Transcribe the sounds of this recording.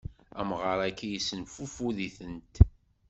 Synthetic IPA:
æmʁəɾˤækːæjisənfufuliθənt̪

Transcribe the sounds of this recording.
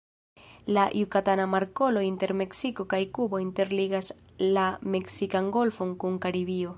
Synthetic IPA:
laʔjukatanamaɾko̞lo̞inte̞ɾme̞ksiko̞kajkubo̞inte̞ɾliɡas | lame̞ksikaŋɡo̞lfo̞ŋkuŋkaɾiβio̞

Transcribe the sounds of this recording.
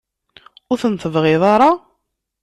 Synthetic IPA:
ʊɾθənθəvʁɪðˤɑɾˤɑ

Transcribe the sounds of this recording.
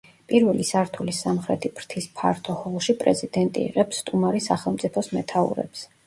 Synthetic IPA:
pʼiɾvɛlisaɾt̪ʰulisamχɾɛt̪ʰibʰɾt̪ʰispʰaɾt̪ʰɔhɔlˠʃipʼɾɛ̰zid̪̥ɛnt̪ʼḭːʁɛpsːt̪ʼumaɾisaχɛlˠmt̪sʼipʰɔsmɛt̪ʰaṵɾɛ̰ps

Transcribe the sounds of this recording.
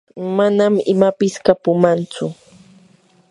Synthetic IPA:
manamɪmapɪskapʊmant͡sʊ

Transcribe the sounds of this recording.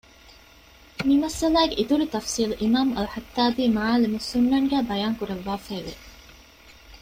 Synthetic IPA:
mimɐsɐlæːɡeʔit̪uɾut̪ɐfsiːluʔimaːmɐlħɐt̪ːaːbiːmaaːlimusunːɐŋɡæːbɐjaːŋkuɾɐʋːaːfæːʋḛ

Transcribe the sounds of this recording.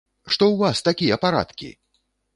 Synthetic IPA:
ʂt̪ɔwvast̪akʲijɐpaɾa̰t̪kʲḭ

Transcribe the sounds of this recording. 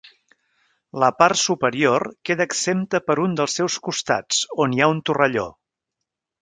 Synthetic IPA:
ləparsupəɾiorkeðəːksemt̪əpəɾund̪əlˠsːɛwskust̪a̰t͡soniaunt̪urəʎo̰

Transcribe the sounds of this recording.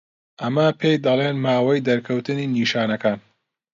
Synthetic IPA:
ʔɐmɐpʰejd̪ɐlˠeːnmaːwɐjd̪ɐɾkʰɐwt̪ɨniːniːʃaːnɐkaːn

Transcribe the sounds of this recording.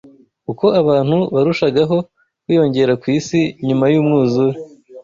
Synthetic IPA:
kuko̞aβaːn̥huβaɾuʃaɡaɦo̞ | wiːjo̞ɲɟe̞ɾakwiːsiɲumajuːmŋuːzuwe

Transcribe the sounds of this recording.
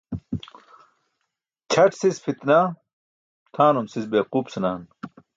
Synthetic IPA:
t͡ɕʰɐʈsisfʰit̪na | t̪ʰaːnumsisbeːquːpsɐnaːn

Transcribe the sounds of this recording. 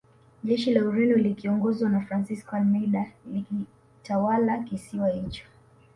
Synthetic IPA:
ʄɛʃilauɾindɔlikiɔŋɡɔzwanafɾansiskɔalmɛɗaliki | tawalakisiwait͡ʃḁ

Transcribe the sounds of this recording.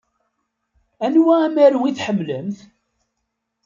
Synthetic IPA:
ænwæːmæɾwiθħəmːləmθ

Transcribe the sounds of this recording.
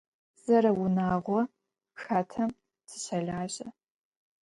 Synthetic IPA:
z̥ɐɾɐwʊnaːʁʷɔ | xaːtʰɐm | sʰɨ̥ɕɐɮaːʑʼɐ

